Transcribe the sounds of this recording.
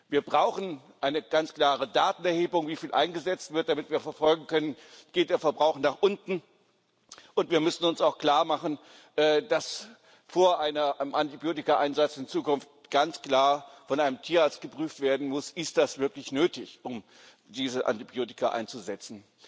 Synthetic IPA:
viːɐbʁaʊxn̩ | ʔaɪnəɡ̥ant͡skl̥aːʁ̞ədaːtn̩ɛɐheːbʊŋviːfiːlʔa̰ɪnɡəzɛt͡stv̥ɪɐt̚d̥amɪtv̥iːɐfɛɐfɔlɡŋ̩kʰœnənɡ̥eːt̚d̥eːɐfɛɐbʁaʊχnaːχʔʊntn̩ | ʔʊntv̥iːɐmʏsn̩ʊnsaʊxkl̥aːɐmaχn̩ | ʔɛːd̥as | foːɐʔaɪnɐmʔantibjoːtɪkaʔaɪnzat͡sɪnt͡suːkʊnftɡ̥ant͡skl̥aːɐfɔnʔaɪnəmtʰiːɐaɐt͡st̚ɡ̥əpʁ̥yːftv̥eːɐdn̩mʊsʔɪstd̥asv̥ɪɐklɪçnøːtɪçʔʊm | d̥iːzəʔa̰ntibjoːtɪ̥kaʔa̰ɪnt͡suzɛt͡sn̩

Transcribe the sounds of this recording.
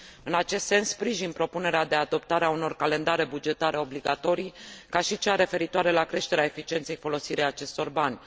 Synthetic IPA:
ɨnat͡ʃe̞st̪se̞nspɾiʒinpɾo̞pune̞ɾead̪e̞ad̪o̞pt̪aɾeauno̞rkale̞nd̪aɾe̞bud͡ʒe̞t̪aɾe̞o̞bliɡat̪o̞ɾikaʃit͡ʃeaɾe̞fe̞ɾit̪oaɾe̞lakɾe̞ʃt̪e̞ɾeae̞fit͡ʃie̞nt̪se̞jfo̞lo̞siɾejat͡ʃe̞st̪o̞rbanʲ

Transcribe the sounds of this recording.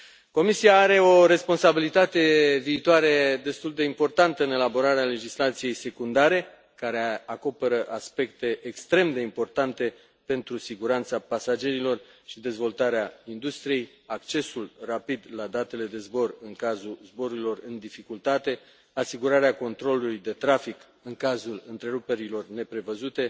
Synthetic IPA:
ko̞misiaːɾe̞o̞ɾe̞spo̞nsabilit̪at̪e̞viːt̪oaɾe̞d̪e̞st̪uld̪e̞impo̞rt̪ant̪əɨne̞labo̞ɾaɾeale̞d͡ʒislat̪sije̞jse̞kund̪aɾe̞ | kaɾeako̞pe̞ɾəʔaspe̞kt̪e̞ʔekst̪ɾe̞md̪e̞impo̞rt̪ant̪e̞ | pe̞nt̪ɾusiɡuɾant̪sapasad͡ʒe̞ɾilo̞rʃid̪e̞zvo̞lt̪aɾeaind̪ust̪ɾije̞j | akt͡ʃe̞sulrapid̪lad̪at̪e̞le̞d̪e̞zbo̞rɨŋkazuzbo̞ɾuɾilo̞rɨnd̪ifikult̪at̪e̞ | asiɡuɾaɾeako̞nt̪ɾo̞lulujd̪e̞t̪ɾafik | ɨŋkazulɨnt̪ɾe̞ɾupe̞ɾilo̞rne̞pɾe̞vəzut̪e̞

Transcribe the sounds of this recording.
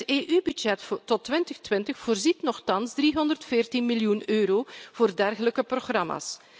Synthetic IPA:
eːʔybydd͡ʒɛtɔtːʋɪntəxtʋɪntəxfoːrzitnɔxtɑnzdriɦɔndərtfɪːrtinmiljunøːɾoːv̥oːrdɛrɣələkəproxrɑma̰ːs

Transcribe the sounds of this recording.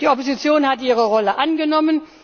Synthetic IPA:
d̥iːʔopozit͡sjoːnhatiːʁəʁɔləʔanɡənɔmən

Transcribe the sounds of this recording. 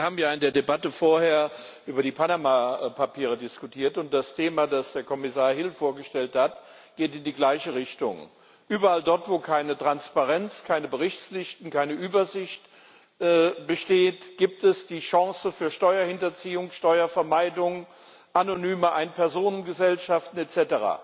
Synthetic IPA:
ɐhaːbm̩jaːɪndeːɐdebatəfoːɐheːɐ | ʔyːbɐdiːpʰanamapʰapʰiːʁ̞ədɪskutʰiːɐtʊnt̚d̥astʰeːmaːdasd̥eːɐkʰɔmɪsaːɐhɪlfoːɐɡəʃtɛlthatɡ̥eːtɪndiːɡlaɪçəʁɪçtʊ̰ŋ | ʔyːbɐaldɔɐtv̥oːkʰaɪnətʁ̥anspaʁɛnt͡skʰaɪnəbəʁɪçt͡slɪçtn̩kaɪnəʔyːbɐzɪçtː | b̥əʃteːtɡ̥iːp̚tɛsd̥iːʃɑ̃ŋsəfyːɐʃtɔʏɐhɪntɐt͡siːʊŋʃtɔʏɐfɛɐmaɪdʊŋ | ʔanonyːməʔaɪnpʰɛɐzoːnənɡəzɛlʃaftn̩ɛt͡sɛtəʁa̰ː

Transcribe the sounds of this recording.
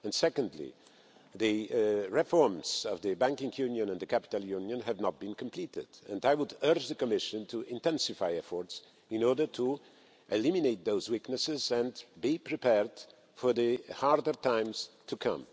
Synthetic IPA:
ɛ̃ndsɛkə̃ndlḭ | ðɨɹɪfɔɹmz̥ʌvðɨbæ̃ŋkɪ̃ŋjʉ̃njɨ̃nə̃ndðɨkʰæpɪ̥talˠjʉ̃njə̃nɦɨvnət̪̚b̥ĩnkʰə̃mpʰl̥itɪ̰dɛ̰̃ndaɪwʊdɜ˞d͡ʒðɨkəmɪʃɨ̃ntʰuʔɪ̃ntɛ̃nsɨfaɪɛfɔɹts | ɪ̃nɔɹdə˞tʰu | ʔɨlɪ̃mineɪt̪̚ðoʊzwiknɨsɪzɛ̃nbipʰɹipɛɹd̥ | fɔ˞ðɨhɑɹdə˞tʰãɪ̃mz̥tʰukʰʌ̰̃m

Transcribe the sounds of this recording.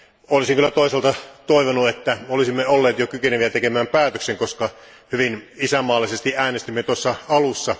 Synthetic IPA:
olisiŋkylːæt̪oˑiselt̪ɑt̪oiʋonuet̪ːæmolisimːeolːeːt̪jokykeneʋiæt̪ekemæːmpæːt̪økseŋkoskɑ | hyʋinisæmːɑːlːˑisest̪iæːnest̪imːet̪uosːɑɑlusːɑ

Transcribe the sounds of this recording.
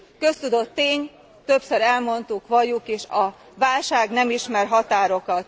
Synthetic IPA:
kø̞st̪ud̪o̞t̪ːeːɲ | t̪ø̞psøɾɛlmo̞nt̪ukʋɒjukeːʃɒ | vaːlʃaːɡnɛmiʃmɛrɦɒt̪aːɾo̞kɒt̪

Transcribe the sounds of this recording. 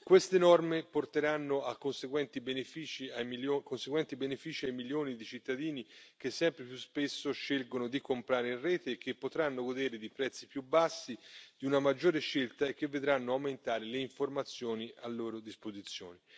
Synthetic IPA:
kwest̪enɔrmeport̪eɾanːoakːonseɡwɛnt̪ibenefiːt͡ʃiajmiokonseɡwɛnt̪ibenefiːt͡ʃiajmiljoːnid̪it͡ʃit̪ːad̪iːnik̟esːɛmpɾepjuspesːoʃːelɡonod̪ikompɾaːɾeinrrɛːt̪eːk̟ːepːot̪ɾanːoɡod̪eːɾed̪ipɾɛt̪sːipjubːasːid̪̥iunamad͡ʒːoːɾeʃːelt̪aek̟ːevːed̪ɾanːoawment̪aːɾeleiɱformat̪sːjoːniʔalːoːɾod̪ispozit̪sːjo̰ːni

